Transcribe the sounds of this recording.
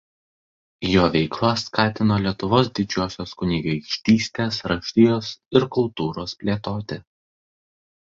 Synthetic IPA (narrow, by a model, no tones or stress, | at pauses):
joːʋʲɛɪklˠɐskɑːt̪ʲɪnoːlʲiɛt̪ʊʋoːsd̪ʲɪd͡ʒʲuɔsʲoːskʊnʲiɡɐɪkʃʲt̪ʲiːsʲt̪ʲeːsɾɐʃʲt̪ʲɪjoːsɪɾkʊlˠt̪uːɾoːspʲlʲeːt̪oːt̪ʲɪ